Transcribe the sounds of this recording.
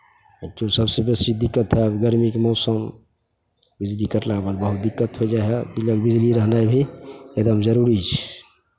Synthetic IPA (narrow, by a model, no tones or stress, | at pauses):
t̪osəbsebesid̪ikːət̪ɦɛbɡəɾmikmɔʊsəm | bid͡ʒlikəʈlabəlbəɦut̪̚d̪ikːət̪ɦod͡ʒaɦed̪iləɡbid͡ʒliɾəɦnajbʱied̪əmd͡ʒəɾuɾit͡ʃʰ